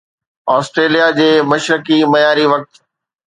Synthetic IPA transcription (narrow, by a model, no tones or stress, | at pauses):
ɔːsʈɾeːlijad͡ʑeːmɐʃɾɪkimɐjaːɾiʋɐk̚t̪